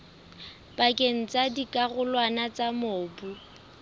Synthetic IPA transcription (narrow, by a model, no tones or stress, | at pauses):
bakʼeŋ̩t͡sadikʼaɣʊlwanat͡samoːbu